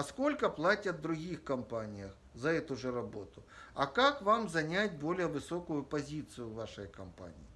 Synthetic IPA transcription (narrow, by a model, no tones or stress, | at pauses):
ɐskolʲkɐplˠatʲɐt̪̚d̪ɾʊɣʲixkɐmpanʲɪjɐx | zɐɛt̪ʊʐɛrɐbɔt̪ʊɐkakvamzɐnʲatʲbolʲɪjəvɨsɔkʊjʊpɐzʲit̪sɨjʊʋaʂɨjkɐmpa̰nʲḭji